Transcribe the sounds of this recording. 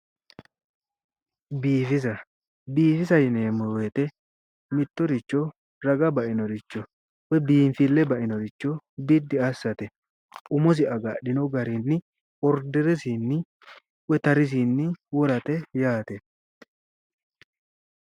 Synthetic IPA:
biːfɪsɐ | biːfɪsɐjɪneːmːɔwet̪ɛ | mɪt̪ːɔɾɪt͡ʃːɔ | ɾɐɡɐbɐʔɪnɔɾɪt͡ʃːɔ | wɛbiːmfɪlːɛbɐʔɪnɔɾɪt͡ʃːɔbɪd̪ːɪɐsːɐt̪ɛ | ʔʊmɔs̬ɪɐɡɐɗɪnɔɡɐɾɪnːɪ | ɔɾd̪ɛɾɛsinːɪ | wɛt̪ɐɾɪs̬inːɪwɔɾɐt̪ɛjaːt̪ɛ

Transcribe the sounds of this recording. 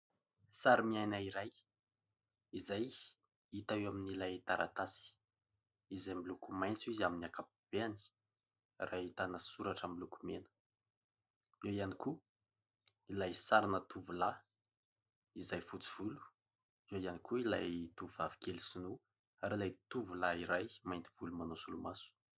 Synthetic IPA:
saɾimiajnaiɾaj | izaj | it̪awewaminilajt̪aɾʔa̰t̪asi̥ | izajmilukumajnt͡suizaminiakapib̥eani̥ | rʔait̪anəsuɾaʈ͡ʂamilukumenə̥ | ewijaniku | ilajsaɾanət̪uvula | izajfut͡si̥v̥ulu̥ | ewianikuilajt̪uvuvavi̥kelisinu | aɾilajt̪uvulaiɾajmajnt̪iv̥ulumanusulumasu̥

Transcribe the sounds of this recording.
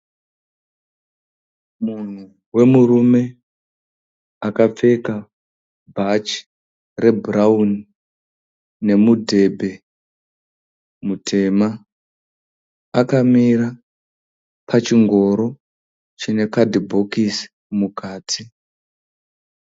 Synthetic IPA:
mun̤u | we̞murume̞ | akap͡fe̞ka | bʱat͡ʃ | re̞bʱurauni | ne̞mudʱe̞bʱe̞ | mutʰe̞ːma | kamiɾa | pʰat͡ʃiŋɡo̞ɾo̞ | t͡ʃine̞kadibʱokis | mukaːtʰi

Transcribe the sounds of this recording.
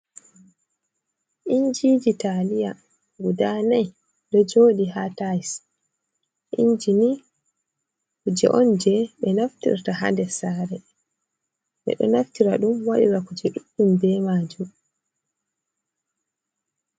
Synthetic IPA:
ʔiɲd͡ʒid͡ʒitalija | ɡudanaj | dɔd͡ʒoːɗihatajs | ʔiɲd͡ʒini | kud͡ʒɛ̰ʔɔnd͡ʒɛɓɛnaftḭɾtaɦa̰ndɛsaɾɛ | ɓɛ̰ɗɔ̰naftiɾaɗumwaɗḭɾakud͡ʒɛɗuɗumbɛmaːd͡ʒum

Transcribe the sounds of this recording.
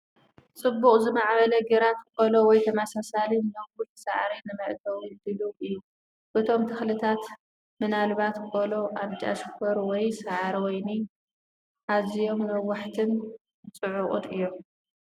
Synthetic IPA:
t͡sʼɨbːuχʼzɨmaʕβɐlɐɡeɾat̪kʼolowɔjt̪ʰɐmasasalinnɐwʊl̥saʕaɾinɨmɐʔd̪ɐwd̪ɨluʔɨjːu | bɨt̪ʰo̞mt̪ʰɨxlɨt̪ʰat̪ | mɨnalβat̪kʼolo̞ʔaβt͡ʃʼa̰ʃkʰoɾwɔjsaʕaɾwɔjni | ʔazijo̞mnɐwːaħt̪ʰɨn | t͡sʼɨʕʊqʼʊ̰d̪ɨjːo̞m

